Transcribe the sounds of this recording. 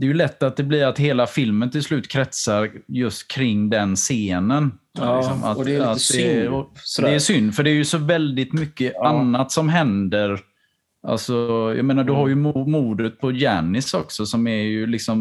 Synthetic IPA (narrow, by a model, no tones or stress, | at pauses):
d̪̥ɛːjɵlɛt̪ːat̪̚d̪ɛblɪɾat̪heːlafɪlmənt̪ɪlslʉ̟ːt̪kʰɾɛt̪saɾjɵst̪kʰɾɪŋːd̪ɛnseːnən | lɪksɔma̰t̪at̪d̪ɛ | d̪ɛːʂʏnːfœɖɛːjɵsɔvɛld̪ɪt̪mʏkːəanːat̪sɔmɦɛnd̪əɾ | ʔa̰lsɔjɑ̰meːnaɖɵɦaɾjɵmumuːd̪ət̪̚pʰɔjæ̰ːnɪsɔksɔsɔmæɾjɵlɪksɔm